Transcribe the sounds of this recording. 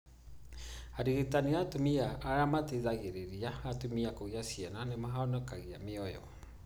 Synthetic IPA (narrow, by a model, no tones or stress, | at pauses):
aɾiɣetaniatomiaːɾamateðaɣeɾeɾiaatomiakoɣeasijɛnanemaɦaɔnɛkaɣea̰meɔjɔ̰